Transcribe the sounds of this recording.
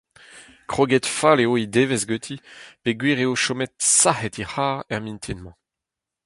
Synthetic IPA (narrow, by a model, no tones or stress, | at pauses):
kχoɡɛt̪faleoid̪eːvezɡøt̪ʰipeɡwiːʁeoʃomɛt̪sahɛt̪ihaːʁɛʁmĩnt̪ʰinmɑ̃